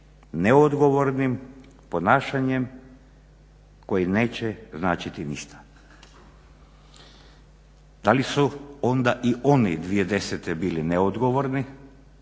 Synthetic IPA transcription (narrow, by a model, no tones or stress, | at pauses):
neod̪ɡo̞ʋo̞ɾnim | po̞naːʃaɲem | ko̞jine̞ːt͡ɕeznaːt͡ɕit̪inḭʃt̪ḁ | d̪̥alisuo̞nd̪aʔiʔo̞nḭd̪ʋijed̪e̞set̪ebiːlineod̪ɡo̞ʋoɾni